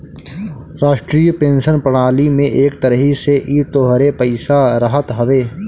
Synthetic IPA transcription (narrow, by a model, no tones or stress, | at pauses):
ɾaːʃʈɾiːjpẽːnʃənpɾəɽ̃aːlimẽʔeːkt̪ɐɾəɦiseʔiːt̪oːɦɾepɐɪsaɾəɦət̪ɦɐʋeː